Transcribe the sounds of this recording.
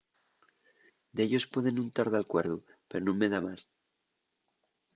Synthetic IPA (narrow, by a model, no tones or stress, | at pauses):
d̪eʎo̞spwe̞ðe̞nːũnt̪aɾðalkwe̞ɾðupe̞ɾonõ̞mːe̞ðamas